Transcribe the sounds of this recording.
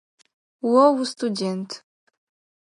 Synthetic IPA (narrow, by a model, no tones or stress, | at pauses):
wɔwstʰʼudʲentʰ